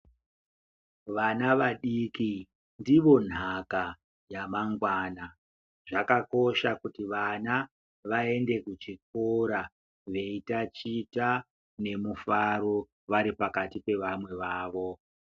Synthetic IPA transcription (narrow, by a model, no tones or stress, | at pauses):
ʋanaʋaɗiki | ndiʋo̞n̤aka | jamaŋɡwaːna | ʐ̥akako̞ʃakutiʋana | ʋae̞nde̞kut͡ʃik̚oɾa | ʋe̞itat͡ʃita | ne̞mufaɾo̞ | ʋaɾipakatipe̞ʋamwe̞ʋaːʋo̞